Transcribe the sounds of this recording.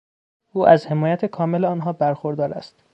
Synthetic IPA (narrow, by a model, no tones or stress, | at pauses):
ʔuːʔæzhe̞mɒːjæt̪ʰekʰɒːmeleɒːnɦɒːbæɾxoɾd̪ɒːɾæ̰st̪